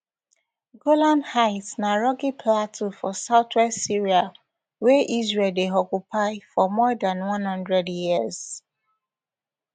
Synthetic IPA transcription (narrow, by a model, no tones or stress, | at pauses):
ɡolãnhaɪtsnaɹɔkipʰlatufɔsaʊtwɛstsiɹia | wɛʔizɹeldeɔkupʰaɪfɔmɔdãnwʌ̃nhʌ̃ndɹɛdjiəz̥